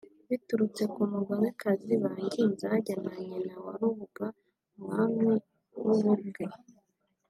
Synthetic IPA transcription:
βituɾut͡se̞kumuɡanekaziβaŋɡiːnzaɟanaɲenawa̰ɾuβuɡa | mwamwi | wuβuɾɡɡe

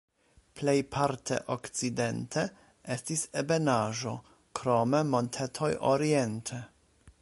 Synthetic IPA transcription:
plejpʰaɾtʰḛʔokt͡side̞ntʰe | estisebenaʒo̞ | kɾo̞memo̞ntʰetʰo̞jʔo̰ɾientʰe

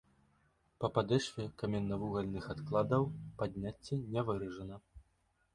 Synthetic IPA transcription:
pɐpad̪ɛʂfʲɛkamʲɛnːɐvuɣɐlʲnɨxat̪klˠad̪ɐwpad̪ʲnʲat͡sʲːɛnʲɛvɨɾɐʐɐnɐ

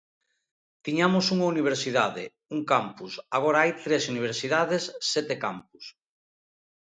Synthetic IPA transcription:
t̪iɲamʊsuŋauniβ̞eɾsiðaðɪ̰ | uŋkampusaɣoɾaajt̪ɾesuniβeɾsiðaðesːɛt̪ekampus

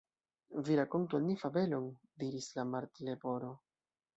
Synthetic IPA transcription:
viɾako̞ntualmifave̞lo̞n | diɾislamaɾt̪ile̞bo̞ɾo̞

